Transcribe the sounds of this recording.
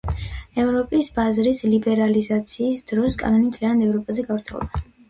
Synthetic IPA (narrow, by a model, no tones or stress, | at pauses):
ɛvɾɔpʼisbazɾislibɛɾalizat̪sʰiːsd̪̥ɾɔskʼa̰nɔnimt̪ʰlianad̪ɛvɾɔpʼazɛɡavɾt̪sʰɛ̰lˠɛ̰ba